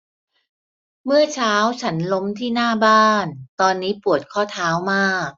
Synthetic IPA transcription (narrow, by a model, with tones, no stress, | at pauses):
mɯ˥˩ɐt͡ɕʰaː˦˥wt͡ɕʰa˦˥nlo˦˥mt̪ʰiː˥˩naː˥˩baː˥˩nt̪ɔː˧nːiː˦˥pu˨˩ət̪̚kʰɔː˥˩t̪ʰaː˦˥wmaː˥˩k̚